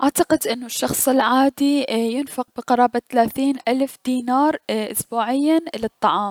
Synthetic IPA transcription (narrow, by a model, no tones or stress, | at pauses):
ʔaʕt̪ɑqɪd̪ʔɪnːʊʃːɑxsˤɪlʕaːd̪ijɪnfɪq̚bɪqɑɾˤɑːbaθalaːθiːnʔalfd̪̥iːnɑːɾˤʔʊ̰sbuːʕɪjːalɨt̪ˤːɑʕɑːm